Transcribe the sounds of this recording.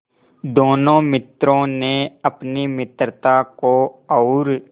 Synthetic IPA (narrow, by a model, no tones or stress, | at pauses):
d̪oːnõːmɪt̪ɾõneəpnimɪt̪ɾət̪akoɔːɾ